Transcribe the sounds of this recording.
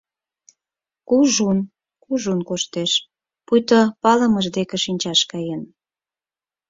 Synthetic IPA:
kuʒun | kuʒunkoʃt̪eʃ | pujt̪opɑlə̆məʒd̪ekĕʃinʲt͡ɕɑʃkɑjen

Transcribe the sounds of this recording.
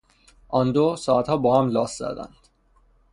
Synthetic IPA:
ʔɒnd̪osɒːæt̪hɒːbɒːhæmlɒːst̪zæ̰d̪æ̰nd̪̥

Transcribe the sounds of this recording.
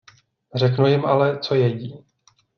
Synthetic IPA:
r̝ɛknujɪmʔalɛt͡so̞jɛɟiː

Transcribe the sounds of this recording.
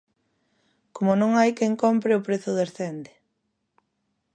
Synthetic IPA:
komʊnõŋajkɛŋkompɾɪʊpɾeθʊðeɾθend̪ɪ

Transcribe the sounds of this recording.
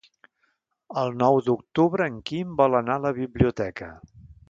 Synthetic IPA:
əlˠnɔwd̪uk̚t̪uβɾəːŋkimbɔlənaləβiβliut̪ɛkə̰

